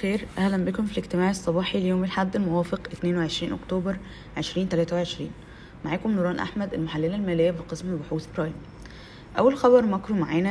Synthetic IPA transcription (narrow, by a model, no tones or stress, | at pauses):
xeːɾʔæhlæmbekomfileɡt̪emaːʕesˤːɑbɑːħiljoːmelħad̪ːelmowæːfeqʔet̪neːnweʕeʃɾiːnʔo̰kt̪oːbɑɾˤ | ʕeʃɾiːnt̪ælæːt̪æweʕeʃɾḭːn | maʕaːkomnuɾɑːnʔa̰ħmæd̪ʔelmoħalːelælmæːlejːæfiqesmeboħuːθbɾɑːjm | ʔæwːælxɑbɑɾˤmækɾumaʕeːnæ